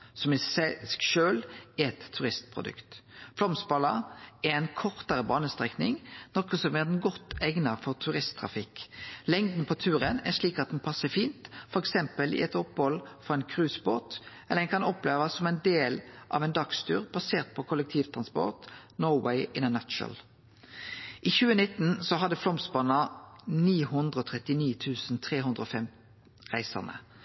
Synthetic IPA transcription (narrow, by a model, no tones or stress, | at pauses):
sɔmɪsɛɡʂøːlɪɛt̪ʰːʉʁɪst̪pʰʁʊ̰d̪ʉ̰kt̪flɔmsbɑlɑæʁɛɪnkʰɔʁt̪əɾəbɑːnəst̪ʁɛknɪŋnɔkəsɔmɛʁɛnɡɔt̪ːɛŋnɑfɔʁt̪ʰʉʁɪst̪ʰːʁɑ̰fɪkːlɛŋd̪n̩pʰɔt̪ʰʉːɾənæ̰ʁʂɭiːkɑt̪̚d̪ɛnpʰɑsːəfiːnt̪fɔɾɛksɛmpəlʔɪ̰ɛt̪ɔpːhɔlfɔɛɪnkʰʁʉːsboːt̪ | ɛləɛnkʰɑnɔpleːʋɑsːɔmɛɪnd̪eːlʔɑ̰ʋɛɪnd̪ɑkst̪ʰʉ̰ːʁbɑseːʁt̪̚pʰɔkʰɔlək̚t̪ʰiːʋt̪ʰʁɑnspɔ̰ʁt̪nɔʊwɛɪɪnənæʃnə̰l | ʔiːçʉːənɪt̪n̩sɔɦɑd̪əflɔmsbɑnɑniːhʉnd̪ʁəoːt̪ʰʁɛt̪ɪniːt̪ʰʉːsn̩t̪ʰʁeːɦʉnd̪ʁəɔfɛm | ʁæɪsə̰ʁnə̰